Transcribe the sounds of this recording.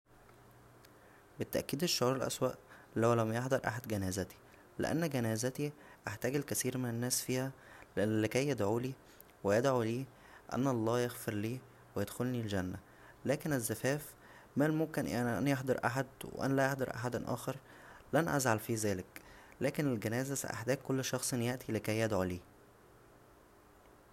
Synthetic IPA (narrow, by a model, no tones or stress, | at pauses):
bet̪ːæʔkiːd̪eʃːoʕuːɾˤelʔæ̰swæːʔlæwlæmjeħd̪ɑɾˤʔa̰ħad̪ɡænæːzæt̪i̥ | lḛʔæ̰nːɡænæːzæt̪iʔaħt̪æːɡelkæsiːɾmenænːæːsfiːhæleʔænːlekæjːed̪ʕuːliː | wejed̪ʕuliː | ʔæ̰nːʔɑlˤːɑːjeɣfeɾliː | wejed̪xolnild͡ʒænːæ | læːkenezːæfæːf | mælmomkenʔenʔæ̰njeħd̪ɑɾˤʔaħad̪wḛʔæ̰nælæjeħd̪ɑɾˤʔa̰ħad̪nʔæ̰ːxɑɾˤ | lænʔæzʕalfizæːleklæːkenelɡænæːzæsæ̰ʔa̰ħd̪æːɡ̚kːolːʃɑxsˤenjeʔt̪ʰilekæjːæd̪ʕuliː